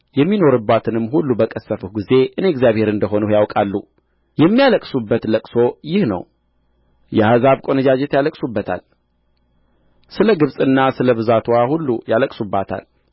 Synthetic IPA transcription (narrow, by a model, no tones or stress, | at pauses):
jɛmːino̞ɾɨbːat̪ʰɨnɨmːɦulːubəkʼəsːəfuhɡize̞ʔɨneɛɡzjaβhe̞ɾɨnd̪əɦo̞nujawkʼalːu | jɛmːijaləkʼsubːət̪ləkʼso̞jɪhnə̰w | jɛhazaβkʼo̞nəd͡ʒad͡ʒɛt̪jaləkʼsubːət̪ʰa̰l | sɨləɡɨβsʼɨnːasɨləβɨzat̪ʰwahulːujaləkʼsubːat̪ʰa̰l